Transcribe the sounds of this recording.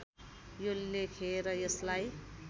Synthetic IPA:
jolekʰeɾʌjʌslaj

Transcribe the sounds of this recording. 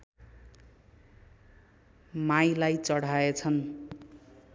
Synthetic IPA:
majlajt͡sʌɽ̤aet͡sʰʌn

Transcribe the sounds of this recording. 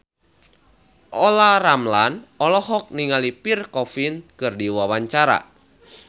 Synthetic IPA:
ʔɔlaɾamlanɔlɔɦɔk̚niŋalipirkɔfinkɨrdiwawaɲt͡ʃaɾa̰

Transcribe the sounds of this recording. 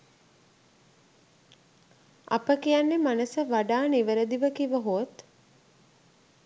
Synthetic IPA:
a̰pəkijanːemanəsəʋaɖaːniʋəɾəd̪iʋəkiʋəɦot̪

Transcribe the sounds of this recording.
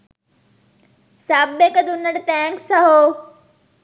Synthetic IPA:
saːbekəd̪ʱʊnəɽt̪ɛ̃ːŋksɐɦoː

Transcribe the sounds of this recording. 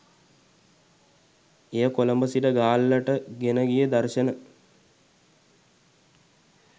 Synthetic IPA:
ejəkoləmbəsiɖəɡaːlːəʈəɡenəɡijəd̪arʃənə

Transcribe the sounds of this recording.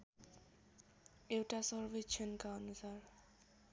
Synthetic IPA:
ewʈasʌɾbit͡ʃʰʌnkaɔnusaɾ

